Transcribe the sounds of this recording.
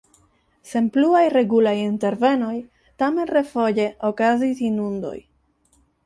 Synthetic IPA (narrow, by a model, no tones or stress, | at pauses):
se̞npluajɾe̞ɡulajinte̞ɾve̞no̞j | tame̞nre̞fo̞je̞ʔokazisinundo̞̰j